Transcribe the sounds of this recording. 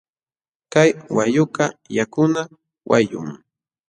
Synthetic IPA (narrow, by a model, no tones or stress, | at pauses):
kajwajʊkɑjakʊna | wʔajʊ̰ŋ